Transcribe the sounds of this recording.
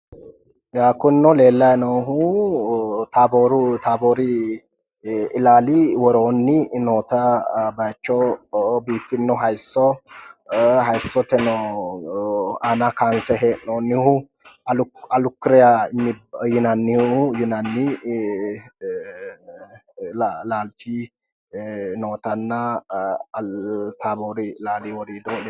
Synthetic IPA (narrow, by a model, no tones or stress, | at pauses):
ɡaːkːɔɪnːɔle̞ːlːɐjnoːɦʊ | t̪aːboːɾʊt̪aːboːɾɪ | ɪlaːlɪwɔɾoːnːɪnoːt̪ɐbɐjt͡ʃːɔbiːfːɪnːɔɦɐjsːɔ | ɦɐjsːɔt̪ɛnɔ | aːnakansɛɦeːʔoːnːɪhʊ | ɐlʊɐlʊkːɪɾɛjaɪnːɪbjɪnɐnːɪjɪnɐnːɪ | laːlt͡ʃi | noːt̪ɐnːɐ | t̪aːboːɾilaːliwɔɾiːd̪oːlɛ